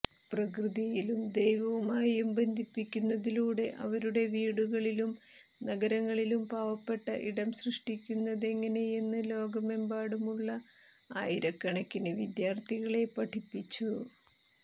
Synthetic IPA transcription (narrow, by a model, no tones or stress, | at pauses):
prɐkrɨðijilumd̪ejʋɐʋumaːjumbe̞nd̪ʱipːikʲːunːɐðiluːɽe̞ʔɐ̰ʋɐɾuɽe̞ʋiːɽuɣɐɭilum | nɐɡɐɾɐŋːɐɭilumbaːʋɐpːe̞ʈːɐʔḭɽɐmsrɨʂʈikʲːunːɐðe̞ŋːɐne̞jenːɨlo̞ːɡɐmembaːɽumuɭːɐ | a̰ːjiɾɐkːɐɳɐkʲːinɨʋid̪jaːrt̪ʰiɣɐɭe̞pɐʈʰipːit͡ɕːu